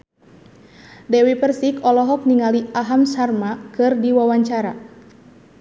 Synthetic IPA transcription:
dɛwipərsikɔlɔɦɔk̚niŋaliaɦamsarmakɨrdiwawaɲt͡ʃaɾa

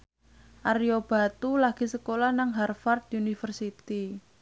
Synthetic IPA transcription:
ʔariob̥a̤t̪ulaɡ̥i̤səkolahnaŋɦarfard̪unifərsit̪i

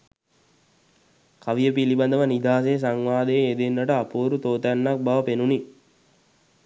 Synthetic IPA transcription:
kaʋijəpiliband̪əʋənid̪aːs̬ejs̬aŋʋaːd̪eed̪enːəʈəapuːɾut̪oːt̪nːak̚baʋəpenuni

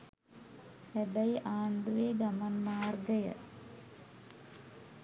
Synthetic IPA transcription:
ebɐjaːɳɖ̪uʋeːɡɐmɐnmaːrɡɐjɐ̰

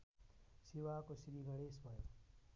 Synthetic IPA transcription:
siwakosɾiɡʱʌɽesbʱʌjo

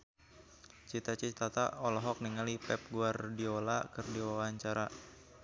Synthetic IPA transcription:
t͡ʃit̪at͡ʃit̪at̪aɔlɔɦɔk̚niŋalipɛp̚ɡuardiolakɨrdiwawaɲt͡ʃaɾa

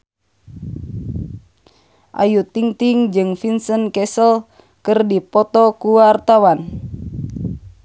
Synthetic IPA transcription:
ʔa̰jut̪iŋt̪iŋd͡ʒɨŋfinsənkɛsəl | kɨrdipɔt̪ɔkuwart̪awan

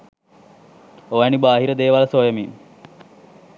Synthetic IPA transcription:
oːɛnibaːɦiɾəd̪eːʋaləsoːjəmim

